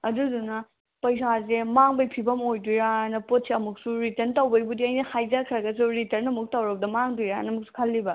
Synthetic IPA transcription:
ɐdudunɐ | pɐjsazemaŋbɐjpʰibɐmojdujɾanɐpot̚seɐmuk̚suɾitɐɾntawbɐjbudiɐjnɐhajzakʰɐɾɐɡɐs̬uɾitɐɾnɐmuk̚tawɾɐb̚dɐmaŋdujɾanɐmuk̚su̥kʰɐlːibɐ

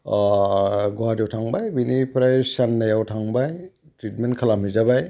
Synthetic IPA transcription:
ɡɔwadiwtʰaŋbajbinipɾajsanːajawtʰaŋbaj | tɾitmenkʰalamizabaj

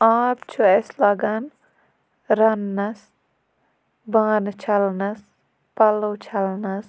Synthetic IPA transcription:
aːbt͡ʃʰueslɐɡɐn | ɾɐnːɐs | baːnt͡ʃʰɐlnɐs | pɐlot͡ʃʰɐlnɐs

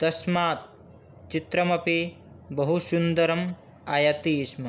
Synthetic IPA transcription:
d̪̥ɐʃmaːt̪̚ | t͡ʃit̪ɾɐmɐpi | bɐɦusund̪ɐɾɐm | ɐjɐt̪iːʃmɐ

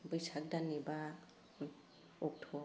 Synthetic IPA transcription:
bɯjsak̚daniba | ɔk̚tʰɔ

